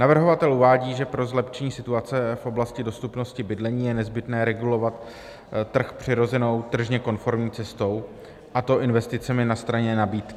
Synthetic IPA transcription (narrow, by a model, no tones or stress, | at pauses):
navr̩ɦo̞vat̪ɛlʔuvaːɟiːʒɛpɾo̞zlɛpt͡ʃɛɲiːsɪt̪uat͡sɛfʔo̞blascɪdo̞st̪upno̞scɪbɪdlɛɲiːjɛnɛzbɪt̪nɛːɾɛɡulo̞vat̪ | t̪ːr̩xpr̝̥ɪɾo̞zɛno̞wt̪r̩ʒɲɛko̞nfo̞ɾmɲiːt͡sɛst̪o̞w | ʔat̪o̞ʔɪnvɛst̪ɪt͡sɛmɪnast̪ɾaɲɛnabiːt̪kɪ